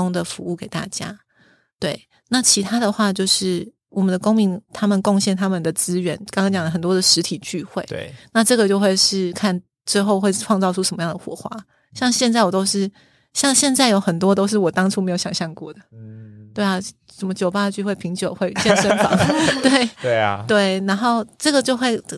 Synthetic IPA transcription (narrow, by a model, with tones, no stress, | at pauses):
ʊ˥ŋd̪ə˨fu˧˥u˥˩ke˨˩ɪt̪a̰˥˩t͡ɕja̰˥ | t̪we˥˩ɪ | na˥˩t͡ɕʰi˧˥t̪ʰa˥d̪ə˨xwa˥˧t͡ɕjo˥˧ʊʂɻ̩˥˩ | wɔ˨˩mə˨nd̪ə˨ko˥ŋmi˧˥˦ŋt̪ʰa˥mə˨nko˥˧ŋɕjɛ˥˩nt̪ʰa˥mə˨nd̪ə˩t͡sɹ̩˥ɥɛ˧˥nkɑ˥ŋkɑ˥ŋt͡ɕjɑ˨ŋlə˦xə˨˩nt̪wɔ˥d̪ə˨˩ʂɻ̩˧˥t̪ʰi˨˩t͡ɕy˥˧xwe˥˩ɪ˧na˥˧ʈ͡ʂɤ˥˩ɡə˩t͡ɕjo˥˧ʊxwe˥˧ɪʂɻ̩˥˩kʰa˥˩n | ʈ͡ʂɻ̩˥xo˥˧ʊxwe˥˧ɪʈ͡ʂʰwɑ˥˧ŋt͡sɑ˥˧ʊʈ͡ʂʰu˥ʂə˨˩mə˦jɑ˥˩ŋd̪ə˨xwɔ̰˨˩xwa̰˥ | ɕjɑ˥˧ŋɕjɛ˥˧nt͡sa˥˩ɪwɔ˨˩t̪o˥ʊʂɻ̩˥˩ | ɕjɑ˥˧ŋɕjɛ˥˧nt͡sa˥˩ɪjo˧˥ʊxə˨˩nt̪̬wɔ˥t̪o˥ʊʂ̬ɻ̩˥˩wɔ˨˩t̪ɑ˥ŋʈ͡ʂʰu˥˩me˧˥ɪjo˧˥ʊjɑ˨˩ŋɕjɑ˥˧ŋkwɔ˥˩d̪ə˩t̪we˥˩ɪa˩ | t͡sə˨˩mə˧˦t͡ɕjo˨˩ʊpa˥ə˨t͡ɕy˥˧xwe˥˩ɪpʰi˧˥ŋt͡ɕjo˨˩ʊxwe˥˧ɪt͡ɕɛ˥˧nʂə˥nfɑ̰˨˦ŋt̪we˥˩ɪe˥˩t̪we˥˩ɪna˧˥nxo˥˧ʊʈ͡ʂɤ˥˩ɡə˩t͡ɕjo˥˧ʊxwe˥˧ɪ˩